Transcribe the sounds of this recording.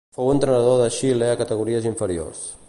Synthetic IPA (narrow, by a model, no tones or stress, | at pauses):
fowənt̪ɾənəðoðəʃileakət̪əɣuɾiəziɱfəɾio̰rs